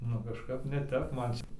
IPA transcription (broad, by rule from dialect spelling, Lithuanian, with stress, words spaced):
nʊ kɐʃˈkɐp nʲɛ ˈtʲɛp ˈmɐn ˈt͡ʃʲɛ